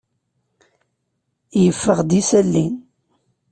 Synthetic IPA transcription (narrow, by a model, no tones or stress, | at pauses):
jəfːəʁd̪isælːin